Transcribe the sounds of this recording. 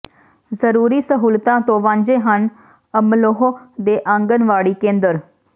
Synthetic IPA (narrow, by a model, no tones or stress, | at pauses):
zəɾuːɾiːsəɦuːlt̪ãːt̪õːʋãːɲd͡ʒeːɦən | əmloɦoːd̪eːʔə̃ŋɡənʋaːɽiːkẽːnd̪əɾ